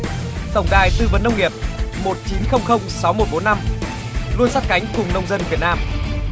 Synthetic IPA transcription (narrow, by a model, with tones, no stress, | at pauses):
t̪ə˨˩wŋ͡mɗaː˨˩jt̪ɨ˧˨və˨˩nːə˧wŋ͡mŋi˨˩əp̚mo˨˩t̚t͡ɕi˨˦nxə˧wŋ͡mxə˧wŋ͡msa˨˦wmo˨˩t̚ɓo˨˦nːa˧m | lu˧ənsa˦˥t̚ka˨˦jŋ̟kʊ˨˩ŋ͡mnə˧wŋ͡mzə˧nvi˨˩ət̚naː˧m